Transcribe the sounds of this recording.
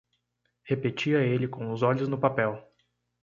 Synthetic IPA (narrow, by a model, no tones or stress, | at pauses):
hepet͡ʃiɐelɪkõʊzɔʎʊznʊpapɛw